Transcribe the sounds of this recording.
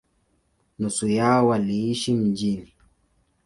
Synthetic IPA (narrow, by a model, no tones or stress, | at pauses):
nusujaɔwaliiʃim̩d͡ʒini